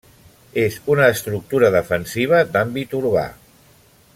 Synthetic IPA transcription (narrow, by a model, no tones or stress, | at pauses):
ezunəːst̪ɾuk̚t̪uɾəðəfənsiβ̞əd̪ambit̪uɾβa̰